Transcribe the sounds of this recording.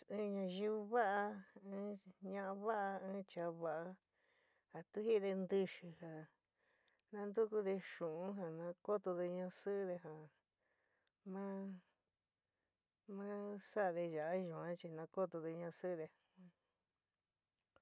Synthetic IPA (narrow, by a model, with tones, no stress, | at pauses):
ɨ̃˦ɲã˧ʒi˦˧βu˧βa˦ʔa˧ɨ̃˦ɲã˧ʔa˧βa˦ʔa˧ɨ̃˦t͡ʃa˧βa˧˨ʔa˧ | ha˨t̪u˦hi˦˧ðe˧nd̪ɨ˧ʃɨ˧ha˨ | nã˧nd̪u˦ku˦ðe˧ʃũ˨ũ˦ɦa˨nã˧ko˦t̪o˧ðe˧ɲã˧sɨ˦ðe˧ɦa˨ | mã˦ | mã˦sa˦ʔðe˧ʒa˨a˦ʒũ˨ã˦t͡ʃi˧nã˧ko˦t̪o˧ðe˧ɲã˧sɨ˦˧ðẽ˧˦